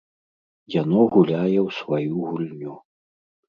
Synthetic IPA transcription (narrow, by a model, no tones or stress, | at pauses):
jan̪ɔɣulʲajɛwsvajuɣulʲnʲu